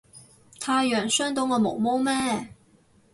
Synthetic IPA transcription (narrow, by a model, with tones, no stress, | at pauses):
t̪ʰa˥ɥɛ˨˩nswə˥nt̪ʊ˥ŋlə˨mo˨˩˦ʊmo˥mɛ˥˧˩